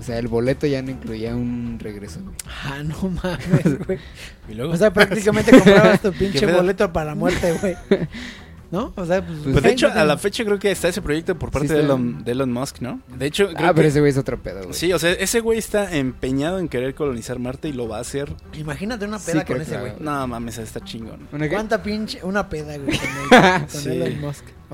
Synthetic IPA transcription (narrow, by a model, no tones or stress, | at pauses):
oseaelβo̞le̞t̪o̞ʝanoiŋkluiaunreɣɾesoaxanomamwej | ilweɣos̬eapɾak̚t̪ikament̪eaast̪upinket͡ʃeeðolet̪opaɾalamweɾt̪eɣwej | nooseapwezðeet͡ʃoalafe̞t͡ʃakɾe̞okeːst̪aes̬e̞pɾo̞ʝe̞k̚t̪opo̞ɾpaɾeðelond̪elonmoskno̞d̪eet͡ʃo̞kɾeapeɾoes̬ewejesot̪ɾopḛðo̰wsio̞seaʔe̞se̞ɣwe̞jest̪aempe̞ɲað̞o̞e̞ŋke̞ɾe̞ɾko̞lo̞nisaɾmaɾt̪eilo̞βaːse̞ɾ | imaxinat̪eunapeðakoɾenesewejnoːmãmeseest̪at͡ʃiŋɡo̰nwant̪apint͡ʃeunapeðaɣwemesoneionmosk